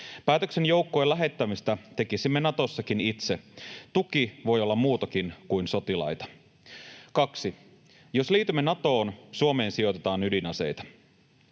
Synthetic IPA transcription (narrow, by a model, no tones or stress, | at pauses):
pæːt̪øksenjowkːoelæɦe̞t̪ːæmist̪æt̪e̞kisimːe̞nɑt̪o̞sːɑkinit̪set̪ukiʋo̞jo̞lːɑmmuːt̪ɑk̟inkujnso̞t̪ilɑ̰jt̪ɑ̥ | kɑksi | jo̞sliːt̪ymːenɑt̪o̞ːnsuome̞ːnsijo̞t̪e̞t̪ɑːnydinɑse̞̰jt̪ɑ̥